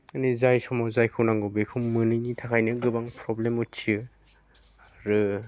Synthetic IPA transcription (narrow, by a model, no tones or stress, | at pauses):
ɯnizajsɔmɔzajkʰɯwnaŋɡɔbekʰumːɯnɯjnitʰakʰajnɯɡɯbaŋpʰɾɔblemutt͡ʃʰiɯ | aɾɯ